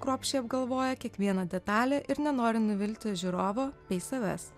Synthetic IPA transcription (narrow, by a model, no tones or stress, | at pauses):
kɾoːpʲʃʲt͡ʃʲɛɪɐb̚ɡɐlˠʋoːjɛkʲiɛkʋʲiɛnɐd̪ʲɛt̪ɑːlʲeːʔɪɾnʲɛnoːɾʲɪnʊʋʲɪlʲt̪ʲɪʒʲʊɾoːʋoːpʲɛɪsɐʋʲɛ̰s